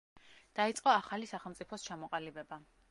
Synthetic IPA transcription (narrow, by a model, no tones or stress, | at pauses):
d̪̥ait̪sʼqʼɔaχalisaχɛlˠmt̪sʼipʰɔst͡ʃʰamɔqʼalibɛba